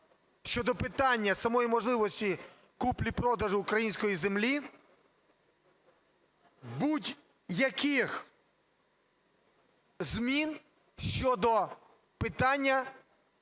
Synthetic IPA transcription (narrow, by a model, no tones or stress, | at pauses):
ʃʲt͡ʃɔd̪ɔpɪt̪ɑnʲːɐsɐmɔjimɔʒlˠɪʋɔsʲtʲi | kuplʲipɾɔd̪ɐʒʊʊkɾɐjinʲsʲkɔjizemlʲi | butʲ | jɐkɪx | zmʲin | ʃt͡ʃɔd̪ɔ | pɪt̪ɑnʲːɐ